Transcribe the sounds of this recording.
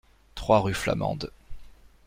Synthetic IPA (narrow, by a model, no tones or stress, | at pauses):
t̪χwaʁyfla̰mɑ̰̃d̪